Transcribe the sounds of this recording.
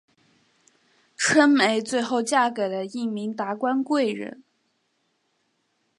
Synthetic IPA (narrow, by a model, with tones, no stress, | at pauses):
ʈ͡ʂʰwə˥nme˧˥ɪt͡swe˥˧ɪxo˥˧ʊt͡ɕja˥˩kə˨˩d̪ə˦i˥˩ŋmi˧˥ŋt̪a˧˥kwa˥nkwe˥˩ɪɻə̰˧˥n